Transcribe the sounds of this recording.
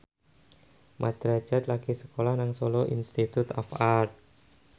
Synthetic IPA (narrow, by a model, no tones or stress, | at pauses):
mʔad̪̥ɾḁd͡ʒat̪laɡ̥isəkolahnaŋsoloʔḭnst̪it̪ut̪ɔfart̪̚